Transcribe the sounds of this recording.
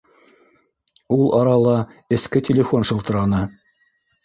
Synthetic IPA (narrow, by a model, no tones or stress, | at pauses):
ulˠʔɑɾɑlˠɑɘ̆skɘtʲɪlʲɪfo̞nʃɤ̆lˠt̪ɤ̆ɾɑnɤ